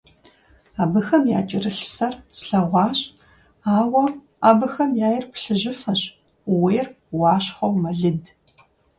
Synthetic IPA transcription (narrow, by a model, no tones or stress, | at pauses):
aːbɨxɐmjaːt͡ʃʼɪrɨɬsɐrsɬɐʁʷɑːɕʼ | aːwɐ | aːbɨxɐmjaːjɪrpɬɨʑɪfɐɕ | weːr | wɑːɕχɐwmɐɮɨd